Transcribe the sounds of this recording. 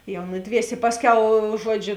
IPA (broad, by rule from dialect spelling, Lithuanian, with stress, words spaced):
jɛʊ ˈnʊˌdʲʋʲiɛsʲeː ˈpɑːsʲˌkʲɛʊ ˈʒuɔˌd͡ʒʲʊ